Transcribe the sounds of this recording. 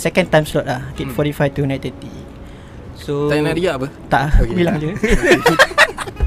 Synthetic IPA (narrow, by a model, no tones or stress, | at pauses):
sɛkɛ̃nt̪ãjmslɔt̚lahɡet̚fɔɾifajt̪unãt̪ɛt̪ḭ | soanadiaʔpət̪aʔbilãŋd͡ʒu